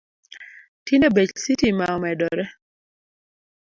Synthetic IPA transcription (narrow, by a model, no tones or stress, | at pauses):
tinebet͡ʃsitimaɔmɛdɔɾɛ